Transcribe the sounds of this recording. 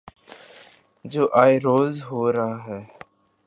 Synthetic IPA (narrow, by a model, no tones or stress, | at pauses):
d͡ʒoːʔaːiɾoːzɦoːɾaɦɛː